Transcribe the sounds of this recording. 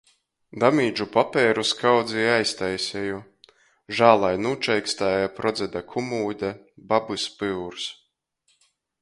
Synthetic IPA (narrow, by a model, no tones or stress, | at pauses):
d̪amiːd͡ʒupapɛːɾuskawd̪ziajst̪ajsʲɛju | ʒaːlˠajnuːt͡ʃɛjkst̪aːjapɾɔd̪zʲɛd̪akʰumuːd̪ʲa | babɨspɨwɾs